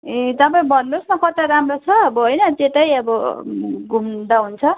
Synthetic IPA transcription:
et̪ʌpaĩbʱʌnːusmʌkʌt̪aɾamrot͡sʰʌʌbʌɦojnʌt̪eʈʌjʌbʌ | ɡʱumd̪aɦunt͡sʰʌ

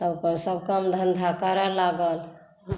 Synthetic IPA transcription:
t̪əbkənsəbʱkəmd̪ʱənd̪ʱakəɾəlaɡəl

